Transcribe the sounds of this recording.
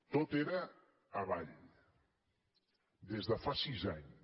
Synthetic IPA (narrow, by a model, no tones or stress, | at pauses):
t̪ot̪eɾəː | βaʎ | d̪ezðəfasizaɲ